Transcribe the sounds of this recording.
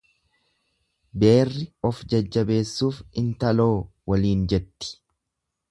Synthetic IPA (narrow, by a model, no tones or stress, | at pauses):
be̞ːrːɪɔfd͡ʒɐd͡ʒːɐbe̞ːsːuːfɪnt̪ɐlo̞ːwɐliːnd͡ʒɛt̪ːɪ̥